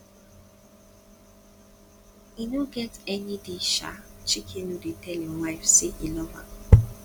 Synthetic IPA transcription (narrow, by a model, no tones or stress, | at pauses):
inoɡɛtɛnideʃa̰t͡ʃikʰinudetɛlĩmwaɪfseʔilɔva̰